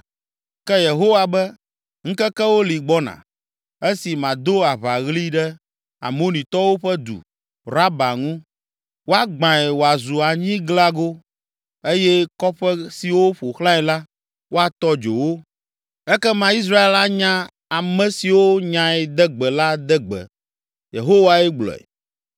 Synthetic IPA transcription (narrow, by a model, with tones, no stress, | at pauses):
kɛ˦je˨ɦo˦wa˨bɛ˦ | ŋ̩̃˦kɛ˦kɛ˦wo˦li˨ɡ͡bɔ˦nã̰˨ | e˦si˨mã˨d̪o˦a˨βa˨ɣli˦ɖɛ˦ | a̰˨mo˦nĩ˨t̪ɔ˦wo˦ɸɛ˦d̪ṵ˨ | ɾa˦ba˨ŋũ˦ | wo˦a˦ɡ͡bã˨ɛ˨wo˨a˨zu˨a˨ɲĩ˦ɡla˦ɡo˦ | e˦jɛ˦kɔ˦ɸɛ˦si˨wo˦ɸo˨xlã˦ɛ˨la˦ | wʔo˦a˨t̪ɔ˦d͡ʒo˨wo˦ | ɛ˦kɛ˦mã˦i˦s̬ɾa˦e˦la˦ɲã˦ | a˨mɛ̃˨si˨wo˦ɲã˨ɛ˨d̪ɛ˦ɡ͡bɛ˨la˦d̪ɛ˦ɡ͡bɛ̰˨ | jḛ˨ɦo˦wa˦ɛ˦ɡ͡blɔ̰˨ɛ̰˨